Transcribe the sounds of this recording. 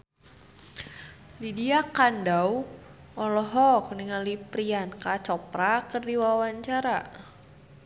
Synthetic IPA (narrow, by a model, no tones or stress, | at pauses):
lidiakandaw | ɔlɔɦɔk̚niŋalipɾiankat͡ʃɔpɾakɨrdiwawaɲt͡ʃaɾa